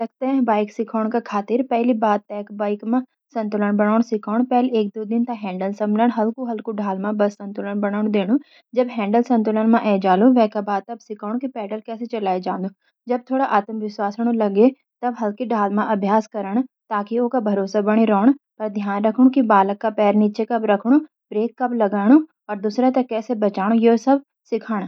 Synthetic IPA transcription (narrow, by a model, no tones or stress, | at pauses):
lɐɡ̚t̪ɐɦɛ̃baːɪksɪkʰaːɽ̃kakʰaːt̪ɪɾpɛɦlibaːd̪̚t̪ːɛːkbaːɪkmã | sɐ̃nt̪ʊləɽ̃bɐɽ̃aːɽ̃sɪkʰaːɽ̃pɛɦleːk̚d̪oːd̪ɪnt̪ãɦɛ̃ːɳɖəlsɐ̃mbləɽ̃ɦɐlkuɦɐlkuɖʱaːlmãbɐsːɐ̃nt̪ʊləɽ̃bɐɽ̃aːʊɽ̃d̪eːɽ̃ũ | d͡ʒɐbɦɛ̃ːɳɖəlsɐ̃nt̪ʊlənmãʔɛːd͡ʒaːluʋɛ̃ːkabaːd̪̚t̪ːɐbsɪkʰaːʊ̃kipɛːɖəlkɛːset͡ʃɐlaːed͡ʒãːnd̪o | d͡ʒɐb̚t̪ʰoːɽaʔaːt̪əmʋɪswaːsɽ̃ũlɐɡe | t̪ɐbɦɐlkiɖʱaːlmãʔɐbʱjaːskɐɾəɽ̃t̪aːkioːkabʱɐɾoːsabɐɽ̃iɾoːɽ̃pɐɾd̪ʱjaːnɾɐkʰɽ̃ũkibaːləkːapɛːɾniːt͡ʃekɐbɾɐkʰɽ̃ũ | bɾeːkːɐblɐɡaːɽ̃u | ɔːɾd̪usɾat̪ɐkɛːsebɐt͡ʃaːɽ̃ojosɐb | sɪkʰaːɽ̃